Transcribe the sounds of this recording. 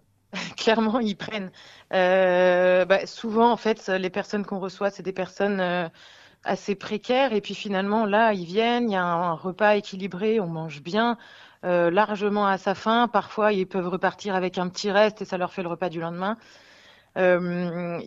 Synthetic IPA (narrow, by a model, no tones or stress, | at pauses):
klɛʁmɑ̃ilpχɛn | ø | basuvɑ̃ːfɛt̪ølepɛʁsɔnkɔ̃ʁəswasɛd̪epɛʁsɔnø | a̰sepχekʲɛʁepɥifinalmɑ̃lailvjɛnijaɛ̃ːʁəpaekʲilibʁeɔ̃mɑ̃ʒbjɛ̃ | ølaʁʒəmɑ̃asafɛ̃paʁfwailpœvʁəpaʁt̪ʰiʁavɛkɛ̃pət̪ʰiʁɛst̪esalœʁfɛləʁəpad̪ylɑ̃d̪mɛ̃ | øm